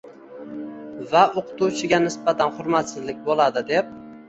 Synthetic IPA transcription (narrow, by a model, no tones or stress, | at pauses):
vaoqʰɨ̥t̪uwt͡ʃʰɪɡʲanɪsbat̪ʰanχʊɾmat̪sɪzlɪk̚ʲbolˠad̪ɪd̪e̞p̚